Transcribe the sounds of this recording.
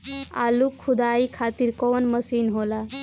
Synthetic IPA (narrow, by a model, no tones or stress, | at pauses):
a̰lukʰːud̪aikʰat̪iɾkɔnməsinɦola